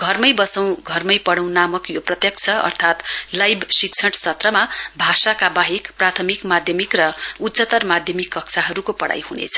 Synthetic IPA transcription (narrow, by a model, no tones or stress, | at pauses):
ɡʱʌrmʌjbʌsaw̃ɡʱʌrmʌjpʌɽʌw̃namʌkjoprʌt̪jʌk̚t͡sʰʌʌ̰rt̪ʰat̪lajbʱsik̚t͡sʰʌʈsʌt̪rʌmabʱasakabaɦikprat̪ʰʌmikmad̪ʱjʌmikrʌutːsʌt̪ʌrmad̪ʱjʌmikːʌksʰaɦʌɾukopʌɽa̰jhunḛt͡sʰʌ̥